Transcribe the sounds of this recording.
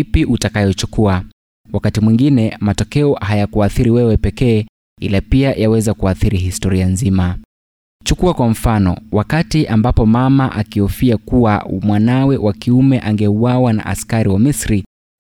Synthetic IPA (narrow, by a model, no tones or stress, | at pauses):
ipiʔutakajɔt͡ʃukua | wakatimwiŋɡinɛmatɔkɛɔhajakuaθiɾiwɛwɛpɛkɛː | ḭlapiajawɛzakuaθiɾihistɔɾianzima | t͡ʃukuakwam̩fanɔ̰wakatiʔambapɔmamaʔakiɔfiakuwamwanawɛwʔakiumɛʔaŋɡɛuwawana̰ʔa̰skaɾiwamisɾi